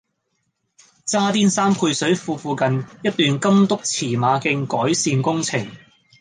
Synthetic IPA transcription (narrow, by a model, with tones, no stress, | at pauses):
t͡saː˥t̪iː˥nsaː˥mpʰu˧jsɵ˨˥ɥfuː˧fuː˨˧kɐ˨njɐ˥t̚t̪yː˨˧nkɐ˥mt̪ʊ˥k̚t͡sʰiː˨˩maː˨˧kɪ˧ŋkɔː˨˥jsiː˧nkʊ˥ŋt͡sʰɪ˨˩ŋ